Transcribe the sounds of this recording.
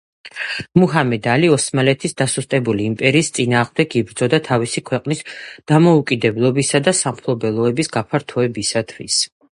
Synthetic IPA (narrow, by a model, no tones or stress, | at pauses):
muɦamɛd̪aliɔsmalɛt̪ʰisd̪asust̪ʼɛbuliːmpʼɛɾiːst̪sʼinaːʁmd̪ɛkʰibɾd̪zɔd̪at̪ʰavisikʰwɛqʼnisd̪̥amɔukʼid̪ɛblˠɔbisad̪asamχʰlˠɔbɛlˠɔɛbisɡapʰaɾt̪ʰɔɛbisat̪ʰwis